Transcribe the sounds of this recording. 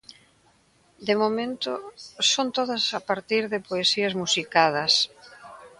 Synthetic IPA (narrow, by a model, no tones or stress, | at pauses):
d̪emomẽnt̪ʊsont̪oðɐsapaɾt̪iɾðɪpoesiɐzmusikaðɐs